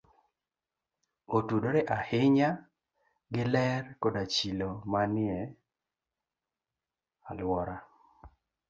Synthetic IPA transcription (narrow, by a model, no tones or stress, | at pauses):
otudoɾɛʔahɪɲa | ɡɪlɛrkodat͡ʃilomanɪɛ | alwɔɾa